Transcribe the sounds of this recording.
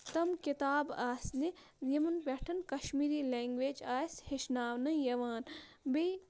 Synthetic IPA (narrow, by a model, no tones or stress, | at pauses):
t̪ɐmkit̪aːbaːsni | jɐmɐnpʲeʈʰɐnkɐʃmiːɾiːleːŋɡʋeːd͡ʒaːsʲheʃnaːʋnɐjɐʋaːn | be